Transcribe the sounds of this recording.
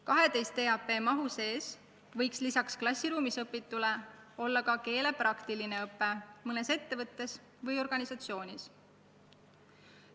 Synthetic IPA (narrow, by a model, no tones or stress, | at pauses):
kɑɦe̞d̪e̞jst̪e̞ːɑpːe̞ːmɑɦuse̞ːs | vɤ̞jkslisɑksklɑsʲːiɾuːmisɤpːit̪ːˑule̞o̞lːɑkɑke̞ːle̞prɑkt̪iline̞ɤpːˑe̞mɤne̞se̞t̪ːe̞vɤt̪ːe̞s | vɤjo̞rɡ̥ɑnʲisɑt̪sio̞ːnʲis